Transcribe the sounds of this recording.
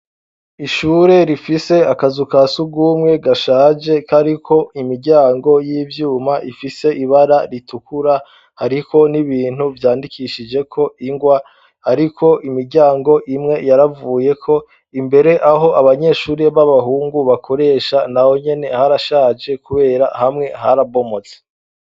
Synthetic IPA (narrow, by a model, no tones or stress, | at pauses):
iʃuːɾe̞ɾifise̞akazukasuɡuːmŋe̞ɡaʃaːd͡ʒe̞kaɾikʰo̞imiɾɟaːŋɡo̞jiːvjuːmaʔifise̞ʔiβaɾaɾitukuɾa | haɾikʰo̞niβiːn̥huvjaːndikʰiʃid͡ʒe̞kʰo̞ʔiŋɡwa | haɾikʰo̞ʔimiɾɟaːŋɡo̞ʔimŋe̞jaɾavuːje̞kʰo̞ | imbe̞ɾe̞ʔaɦo̞aβaɲe̞ːʃuːɾeβaβaɦuːŋɡuβakʰo̞ɾe̞ːʃanaho̞ɲe̞ne̞haɾaʃaːd͡ʒe̞kuβe̞ːɾahamŋe̞ɦaɾaβo̞mo̞t͡se̥